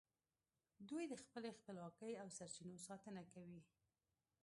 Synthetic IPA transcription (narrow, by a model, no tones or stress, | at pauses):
d̪ujd̪əxpəlexpəlwɑkəjawsaɾt͡ʃinosɑt̪ənakawi